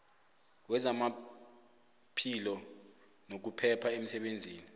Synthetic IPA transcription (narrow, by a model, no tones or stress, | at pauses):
wɛzama | pʰilɔ | nok̬upʰɛpʰaem̩sɛɓend͡zʱiːni